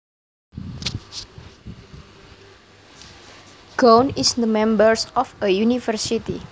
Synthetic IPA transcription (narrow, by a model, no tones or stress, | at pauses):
ɡ̥onisd̪əmɛ̃mbərsɔfəjunifərsit̪i